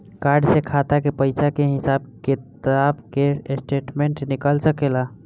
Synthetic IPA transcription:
kaːɾɖsekʰat̪akepəɪsakeɦɪsaːb̚ket̪abkesʈeːʈmẽɳʈnɪkəlsəkeːla

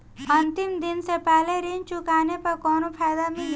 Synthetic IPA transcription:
ənt̪imd̪insepɛɦleɾint͡ʃukaːnepəɾkɔnopʰajd̪amil

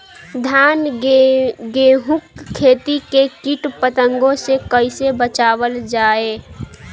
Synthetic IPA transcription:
d̪ʱaːn | ɡeːɦʊkʰːeːt̪ikekɪʈpət̪ə̃ŋɡõsekəɪsebət͡ʃaːwəld͡ʒaːeː

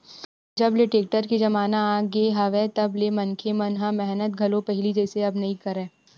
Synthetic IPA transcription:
d͡ʒɐbleʈeːk̚ʈəɾkid͡ʒɐmaːnaaɡeɦɐʋẽt̪ɐblemɐnkʰemɐnɦãmɛɦnət̪ɡʱɐlõpɛɦɪlid͡ʒɛːseɐbnɐɦĩkɐɾẽː

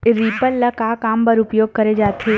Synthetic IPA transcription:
ɾiːpəlːɐkaːkaːmpəɾʊpjoːɡ̚kɐɾed͡ʒaːt̪ʰeː

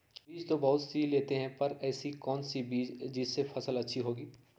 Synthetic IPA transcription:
biːd͡ʒt̪obɐɦʊt̪siːleːt̪eɦɛ̃pɐɾɛːsikɔːnsibiːd͡ʒd͡ʒɪd͡ʒsefʰɐsəlɐtːʃʰiɦoːɡiː

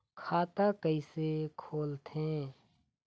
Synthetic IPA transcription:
kʰaːt̪akəisekʰoːlt̪ɦẽː

